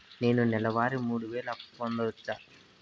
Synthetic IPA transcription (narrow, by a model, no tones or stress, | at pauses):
ne̞ːnunɛlɐʋaːɾimuːɽuʋeːlɐond̪ɐut͡ʃːaː